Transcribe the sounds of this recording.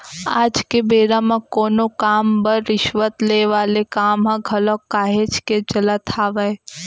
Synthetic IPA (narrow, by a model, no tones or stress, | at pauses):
a̰ːd͡ʒkebeːɾamãkoːnokaːmbəɾːɪʃʋət̪leʋaːlekaːmɦãɡʱɐlɔkːaːɦet͡ʃked͡ʒɐlat̪ʰaːʋəe